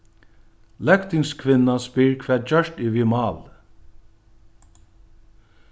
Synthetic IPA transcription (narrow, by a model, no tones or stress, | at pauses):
lɛkt̪ɪŋskʰʋɪnaspɪɹkʰʋɛːd͡ʒœʃtɪʋimɑːl